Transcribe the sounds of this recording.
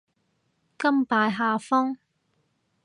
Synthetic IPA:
kɐ˥mpaː˧jɦaː˨˧fɔː˥ŋ

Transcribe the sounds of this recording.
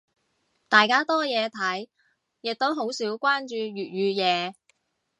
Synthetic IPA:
t̪aː˨jkaː˥t̪ɔː˥jɛː˨˧t̪ʰɐ˨˥j | jɪ˨k̚t̪o˨˥wɦo˨˥wsiː˨˥wkʷwaː˥nt͡ʃyː˧ɥyː˨˩t̚jyː˨˧jɛː˨˧

